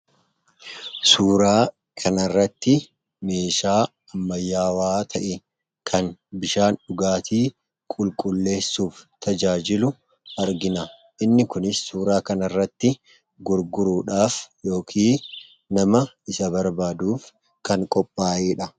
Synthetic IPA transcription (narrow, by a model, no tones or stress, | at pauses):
suːɾaː | kʰɐnɐrːɐt̪ːɪ | meːʃaː | ɐmːɐjːaːwaːt̪ʰɐʔɛ | kʰɐnbɪʃaːnᶑʊɡaːt̪ʰiː | kʼʊlkʼʊlːe̞ːsːuːft̪ʰɐd͡ʒaːd͡ʒɪlʊ | ɐɾɡɪnɐ | ʔɪnːɪkʊnɪsːuːɾaːkɐnɐrːɐt̪ːɪ | ɡʊɾɡʊɾuːᶑaːfjo̞ːkʰiː | nɐmɐ | ɪsɐbɐɾbaːd̪uːf | kɐŋkʼɔpʼːaːʔeːᶑɐ